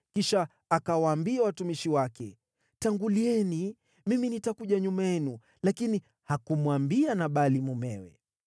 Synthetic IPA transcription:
kiʃaː | kawaːmbiawatumiʃiwakɛ̰ | taŋɡuliɛni | miminitakuʄaɲumajɛnu | lakini | hakumwambianaɓalimumɛwɛ̰

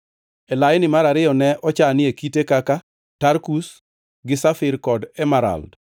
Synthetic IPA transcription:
ɛlajɪnɪmaɾaɾɪɔnɛʔɔt͡ʃanɪekitekaka | taɾkus | ɡɪsafɪɾkɔdɛmaɾa̰ld

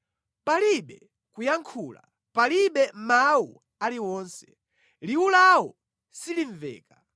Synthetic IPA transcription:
paliɓɛ | kujaŋkʰuːla̰ | paliɓɛmawu | aliwɔːnsɛ̥ | liulawɔ | siliɱvɛ̰ːka

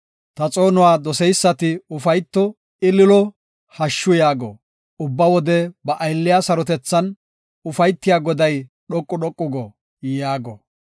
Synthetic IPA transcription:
t̪ɐt͡sʼo̞ːnʊwaːd̪ɔsɛjsːɐt̪ɪʊfɐjt̪ːɔ | ɪlɪlɔ | hɐʃːʊjaːɡɔ̰ | ʊbːɐwɔd̪ɛbɐʔɐjlːɪjasɐɾɔt̪ɛt͡sːɐn | ʊfɐjt̪ːɪjaːɡɔd̪ɐj | ɗɔkʼːʊɗɔkʼːʊɡɔ | jaːɡɔ̰

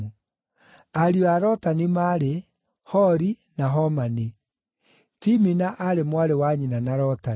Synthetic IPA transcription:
u | aɾiɔaɾɔtanimaɾe | hɔɾi | naɦɔmani | timinaʔaɾemwaɾewaɲinanaɾɔta

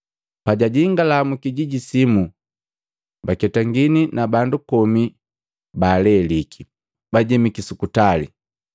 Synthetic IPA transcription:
paɟaɟiŋɡalamukiɟiɟisimu | bakɛtaŋɡininabandukɔmi | baːlɛlikʰi | baɟɛmikisukutalḭ

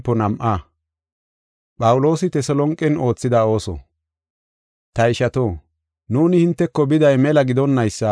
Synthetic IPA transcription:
pːɔnɐmʔa | ɓɐwʊlo̞ːsɪt̪ɛsɔlɔŋkʼːɪno̞ːt͡sːɪd̪ao̞ːsɔ̰ | t̪ɐɪʃɐt̪oː | nuːnɪhɪnt̪ːɛkːɔbɪd̪ɐjmɛlɐɡɪd̪ɔnːɐjsːɐ

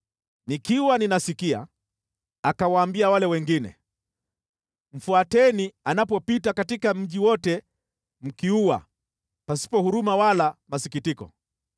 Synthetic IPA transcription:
nikiwaninasikia̰ | akawaːmbiawalɛwɛŋɡinɛ̰ | m̩fuatɛnianapɔpitakatikam̩ʄiwɔtɛ | m̩kiuwa̰ | pasi̥pɔhuɾumawalamasikitikɔ̰

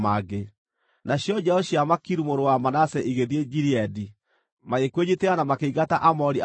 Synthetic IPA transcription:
maɡe | naɕjɔd͡ʑɛɔɕjamakiɾumoɾowamanasɛʔiɣeðied͡ʒiɾiɛdi | maekweɲiteanamakeiɣataʔamɔɾi

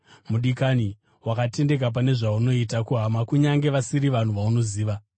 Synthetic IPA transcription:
muɗikani | wakate̞nde̞k̬ap̬ane̞ʐauno̞itakuɦamakuɲaŋɡe̞ʋasiɾiʋan̤uʋauno̞ziːʋa

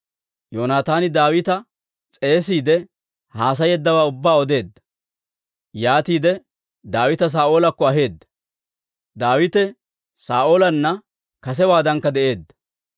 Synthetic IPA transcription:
joːnaːt̪aːnɪd̪aːwɪt̪ɐ | t͡sʼe̞ːsiːd̪ɛ | haːs̬ɐjɛd̪ːɐwaːʊbːaːɔd̪e̞ːd̪ːɐ̥ | jaːt̪iːd̪ɛ | d̪aːwɪt̪ɐs̬aːʔoːlɐkːɔɐɦe̞ːd̪ːɐ̥ | d̪aːwɪt̪ɛ | saːʔoːlɐnːɐ | kɐs̬ɛwaːd̪ɐŋkːɐd̪ɛʔe̞ːd̪ːɐ̥

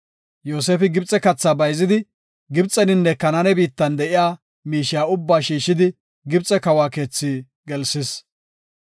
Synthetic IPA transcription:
joːseːfɪɡɪbt͡sʼːɛkɐt͡sːabɐjzɪd̪ɪ | ɡɪbt͡sʼːɛnɪnːɛkɐnɐnɛbiːt̪ːɐnd̪ɛʔɪjaː | miːʃɪjaːʊbːaːʃiːʃːɪd̪ɪ | ɡɪbt͡sʼːɛkɐwaːke̞ːt͡sːiː | ɡɛlsɪs

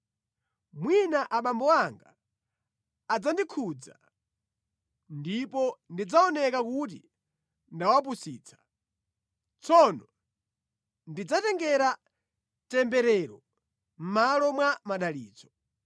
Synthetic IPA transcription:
mwinaʔaɓambɔwaŋɡa | d͡zandikʰud͡za̰ | ndipɔndid͡zaɔnɛkakut̬ḭ | ndawap̬usiːt͡sʰḁ | t͡sʰɔnɔ | ndid͡zatɛŋɡɛɾa | tɛmbɛɾɛɾɔ | m̩malɔmwamaɗaliːd͡zɔ

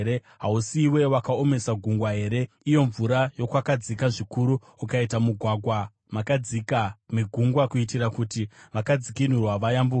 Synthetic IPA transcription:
ɾe | ɦausiwe̞wakao̞me̞saɡʱuŋɡwaɦe̞ːɾe̞ | ijo̞ɱvuɾajo̞kwakad͡zikaʐikuɾu | ukaitamuɡʱwaɡʱwa | makad͡zikamiɡʱuŋɡwakuitirakutiʋakad͡zikin̤urwaʋajambu

